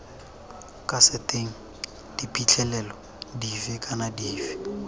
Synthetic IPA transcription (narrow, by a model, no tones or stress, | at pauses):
kʼasɪtʼeŋ̩ | d̥ipʼit͡ɬʰʼɛlɛlɔ | difɪkʼanadiːfi̥